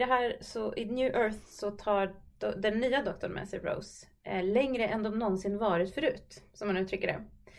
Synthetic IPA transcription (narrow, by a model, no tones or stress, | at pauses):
d̪ɛɦæːɾsɔʔɪnjʉ̟ːʔœɾθsɔt̪ʰɑːd̪ɛnːyːad̪ɔk̚t̪ɔɳmɛ̰sɪ̰ɾo̰ʊs | lɛŋɾəʔɛnd̪ɔmnɔnsɪnːvɑːɾɪt̪fœɾʉ̟ːt̪sɔmhanːʉːt̪ɾʏkːəɖɛ̰